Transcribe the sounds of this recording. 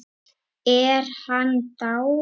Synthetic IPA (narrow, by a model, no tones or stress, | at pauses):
ɛɾhant̪aw